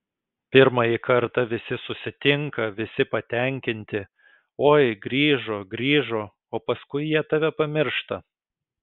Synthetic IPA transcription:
pʲɪɾmɐjikɐɾt̪ɐʋʲɪsʲɪsʊsʲɪt̪ʲɪŋkɐʋʲɪsʲɪpɐt̪ʲɛŋʲkʲɪnʲt̪ʲɪ | oːjɡɾʲiːʒoːɡɾʲiːʒoː | oːpɐskʊɪjiɛt̪ɐʋʲɛpɐmʲɪɾʃt̪ɐ

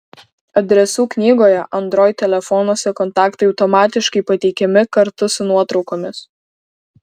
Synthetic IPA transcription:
ɐd̪ʲɾʲɛsuːknʲiːɡoːjɛʔɐnt̪ɾoːjt̪ʲɛlʲɛfɔnuɔsʲɛkɔnt̪ɑːkt̪ɐɪɒʊt̪ɔmɑːt̪ʲɪʃkɐɪpɐt̪ʲɛɪkʲɛmʲɪkɐɾt̪ʊsʊnuɔt̪ɾɒʊkoːmʲɪs

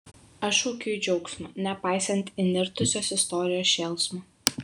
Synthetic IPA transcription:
ɐʃuːkʲɪjʊd͡ʒʲɛʊksʲmɐnʲɛpɑˑɪsɐnʲt̪ʲɪnʲɪɾt̪ʊsʲoːsɪst̪ɔːɾʲɪjoːsʃʲɛːlˠsmɐ

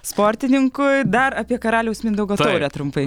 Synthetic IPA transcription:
spoːɾʲt̪ʲɪnʲɪŋkʊd̪ɐɾɑpʲiɛkɐɾɑːlʲɛʊsmʲɪnd̪ɐʊɡoːt̪oːɛt̪ɾʊmpɐɪ

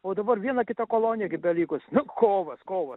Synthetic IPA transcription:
oːd̪ɐbɐrʋʲiɛnɐkʲɪt̪ɐkoːlˠoːnʲɪjɛkʲɪp̚bʲɛlʲiːkʊsnʊkoːʋɐskoːʋɐs

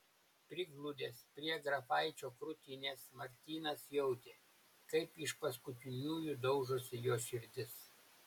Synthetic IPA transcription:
pʲɾʲɪɡlˠʊd̪ʲeːspʲɾʲiɛɡɾɐfɐˑɪt͡ʃʲoːkɾʊt̪ʲɪnʲeːsmɐɾʲt̪ʲiːnɐsjɛʊd̪ʲeː | kɐɪpɪʃpɐskʊt̪ʲɪnʲuːjʊd̪ɒʊʒʊsʲɪjoːʃʲɪɾʲd̪ʲɪs

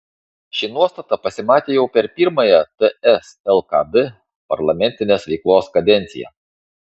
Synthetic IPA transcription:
ʃʲɪnuɔst̪ɐt̪ɐpɐsʲɪmɑːt̪ʲeːjɛʊpʲɛɾpʲiɾmɐjɛt̪əɛsɛlˠkɐ̰d̪ɨ | pɐ̰ɾlˠɐmʲɛnʲt̪ʲɪnʲeːsʋʲɛɪklˠoːskɐd̪ʲɛnʲt̪sʲɪ̰jɛ̰

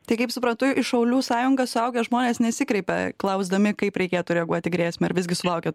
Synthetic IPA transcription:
t̪ɐɪkɐɪpsʊpɾɐnt̪ʊɪʃɐʊlʲuːsɑːjʊŋɡɐsʊɐʊɡʲɛʒmoːnʲeːsnʲɛsʲɪkɾʲɛɪpʲɛ̰klˠɐʊzd̪ɐmʲɪkɐɪpɾʲɛɪkʲeːt̪ʊɾʲɛɐɡuɔt̪ʲɪɡɾʲeːsʲmʲɛɪɾʋʲɪzɡʲɪsʊlˠɐʊkʲɛt

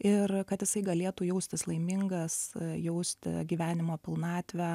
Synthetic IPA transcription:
ɪrkɐt̪jɪsɐɪɡɐlʲeːt̪uːjɛʊsʲt̪ʲɪslˠɐɪmʲɪŋɡɐsjɛʊsʲt̪ʲɪ̰ɡʲiːʋʲæːnʲɪmoːpʲɪlˠnɑːt̪ʲʋʲæ

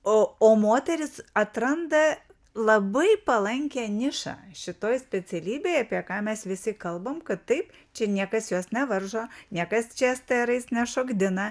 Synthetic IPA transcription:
ooːmoːt̪ʲɛɾʲɪsɐt̪ɾɐnd̪ɐ | lˠɐbɐɪpɐlˠɐŋʲkʲæːnʲɪʃɑ̰ːʃʲɪt̪oːjsʲpʲɛt͡sʲɛlʲiːbʲeːɐpʲiɛkɑːmʲɛsʋʲɪsʲɪkɐlˠbɐmkɐt̪tɐɪpt͡ʃʲɛnʲiɛkɐsjoːsnʲɛʋɐrʒoːnʲiɛkɐst͡ʃʲɛst̪ɐɾɐɪsnʲɛʃoːɡd̪ʲɪnɐ

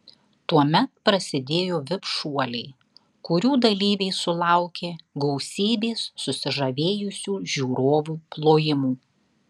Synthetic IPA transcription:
t̪uɔmʲɛt̪̚pɾɐsʲɪd̪ʲeːjoːʋʲɪpʃuɔlʲɛɪ | kʊɾʲuːd̪ɐlʲiːʋʲɛɪsʊlˠɑˑʊkʲeːɡɔʊsʲiːbʲeːsːʊsʲɪʒɐʋʲeːjʊsʲuːʒʲuːɾoːʋuːplˠoːjɪmuː

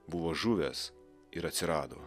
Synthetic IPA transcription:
bʊʋoːʒʊʋʲɛs | ɪɾɐt̪ʲsʲɪɾɑːd̪o̰ː

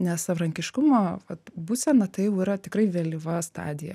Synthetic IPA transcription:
nʲɛssɐʋɾɐŋʲkʲɪʃkʊmoːʋɐt̪buːsʲɛnɐt̪ɐɪjɛʊiːɾɐt̪ʲɪkrɐɪʋʲeːlʲɪʋɐst̪ɑ̰ːd̪ʲɪjɛ̰

